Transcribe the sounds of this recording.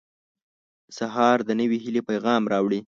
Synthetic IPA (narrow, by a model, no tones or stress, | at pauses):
saɦɑɾd̪ənəwiɦilepajɣɑmɾɑwɽi